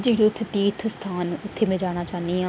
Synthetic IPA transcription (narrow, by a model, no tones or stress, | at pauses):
d͡ʒeɦɪɽeʊt̪ʰːet̪iːt̪ʰst̪ʰaːnʊt̪ʰːeːmẽd͡ʒaːɽ̃aːt͡ʃaːnd̪iãː